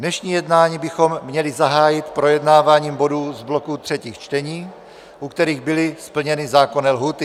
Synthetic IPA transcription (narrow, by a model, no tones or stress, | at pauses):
nɛʃɲiːjɛdnaːɲiːbɪxo̞mːɲɛlɪzaɦaːjɪt̪pɾo̞jɛdnaːvaːɲiːmbo̞duːzblo̞kut̪r̥ɛciːxt͡ʃt̪ɛɲiː | ʔukt̪ɛɾiːɣbɪlɪspl̩ɲɛnɪzaːko̞nɛːlɦuːt̪ɪ